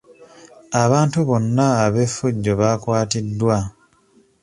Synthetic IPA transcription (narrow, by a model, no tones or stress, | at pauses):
aβaːntuβo̞nːaːβe̞fːuɟːo̞βaːkwaːtidːwa